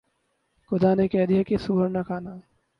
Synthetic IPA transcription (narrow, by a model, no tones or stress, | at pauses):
xʊd̪aːnekɛɦd̪ijakesuːɦəɾnakʰaːna